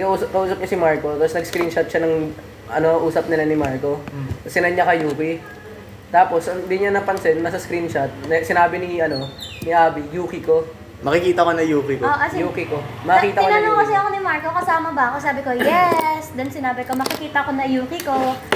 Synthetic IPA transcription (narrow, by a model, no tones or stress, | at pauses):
kɐʔuːsɐp̚kɐʔuːsɐp̚ɲasɪmaɹkot̪apsnɐɡskɾint͡ʃɐt̪̚ʃɐnɐŋ | ʔɐno̞ʔuːsɐp̚nɪlɐnɪmaɹko̞sɪnɐɲɐkɐjuːkɪ | t̪aːpo̞sʔɐŋd̪ɪɲɐnɐpɐnsɛnːɐsɐskɾint͡ʃɐt̪̚nɛsɪnaːbɪnɪɐno̞nɪʔaːbijuːkɪko̞ | mɐkɪkiːt̪ɐkonɐjuːkɪkoʔɐsjuːkɪkomɐkiːt̪ɐɪonanoŋkɐsɛɐkonɪmaɹkokɐsaːmɐbɐʔɐkosaːbɪkojɛsd̪ɐnsɪnaːbɪkomɐkɪkiːt̪ɐɐko̞nɐjuːkɪko